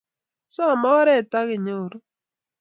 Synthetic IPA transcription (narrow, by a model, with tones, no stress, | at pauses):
sɔ˦a˨mɔ˦ɾɛ˦˨ta˦ɣɪ˨ɲo˦˨ɾ